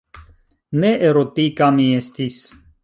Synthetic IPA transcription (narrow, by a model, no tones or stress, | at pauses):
neʔeɾot̪ikamiest̪is